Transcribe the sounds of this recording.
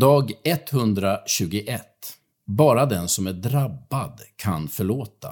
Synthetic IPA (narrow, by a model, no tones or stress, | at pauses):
d̪ɑːɡɛt̪hɵnd̪ɾaɕʉ̟ːɡʊʔɛt̪ː | bɑːɾad̪ɛnsɔmæɖɾabːad̪kʰanfœɭoːt̪a̰